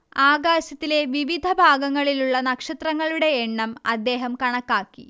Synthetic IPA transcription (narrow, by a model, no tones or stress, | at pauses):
aːɡaːɕɐt̪ːile̞ʋiʋid̪ʱɐbʱaːɡɐŋːɐɭiluɭːɐnɐkʂɐt̪rɐŋːɐɭuɽe̞ːɳːɐmɐ̰d̪ːe̞ːɦɐmkɐɳɐkːaːkːḭ